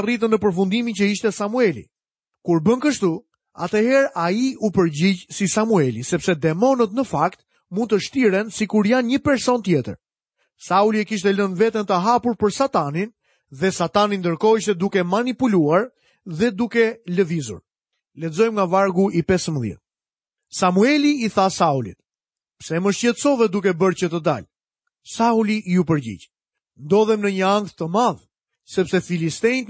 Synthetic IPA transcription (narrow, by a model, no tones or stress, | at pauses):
rit̪ənəpəɾfund̪imicəiʃt̪ɛsamuɛlḭ | kuɾbənkəʃt̪u | a̰t̪ɛhɛɾaiupəɾɟid͡ʑsisamuɛlisɛpsɛd̪ɛmɔnət̪nəfakt̪ | mun̚t̪əʃt̪iɾɛnsikuɾjanɲəpɛɾsɔnt̪jɛt̪ə̰ɾ | sauliɛkiʃ̬t̪ɛlənvɛt̪ənt̪əɦapuɾpəɾsat̪anin | ðɛsat̪anind̪əɾkɔiʃt̪ɛd̪ukɛmanipuluaɾ | ðɛd̪ukɛləvizṵɾ | lɛzɔjmŋɡavaɾɡuipɛsəmðjɛ̰t̪̚ | samuɛliːθasaulḭt̪ | psɛməʃɛt̪sɔvɛd̪uk̬ɛbəɾt͡ɕət̪əd̪a̰l | sauliʔup̬əɾɟḭɟ | nd̪ɔðɛmnəɲəaŋk̚t̪ːəmað | sɛpsɛfilist̪ɛt̪